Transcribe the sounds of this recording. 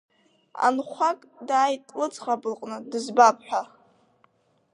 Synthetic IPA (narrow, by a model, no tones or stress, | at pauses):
a̰nχʷakʼdaːjtʼlɨt͡sʼχabɨlqʼnɨdɨzbapʰʼħʷᶣa